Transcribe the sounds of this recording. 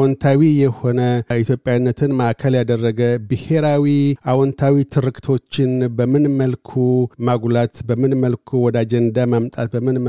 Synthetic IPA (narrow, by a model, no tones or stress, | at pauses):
wɔnt̪ʰawijɛho̞nəit̪ʰjo̞pʼjawnːət̪ʰɨnmaʔkʰəljad̪ərːəɡəbɨhe̞ɾawiʔawɔnt̪ʰawit̪ʰɨɾɨkʼt̪ʰo̞t͡ʃːɪnbəmɨnməlkʰumaɡlat̪bəmɨnməlkʰuwɔd̪ad͡ʒɛnd̪amamt̪ʼat̪̚bəmːɨnm